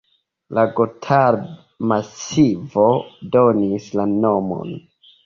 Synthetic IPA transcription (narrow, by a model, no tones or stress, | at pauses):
laɡotʰaɾ | masivo̞donislano̞mo̞̰n